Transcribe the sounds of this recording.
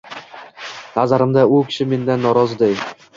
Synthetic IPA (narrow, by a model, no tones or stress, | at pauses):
nazaɾɪmd̪aʊkʲʰɪ̥ʃɪme̞nd̪anːɒɾɒzɪd̪ej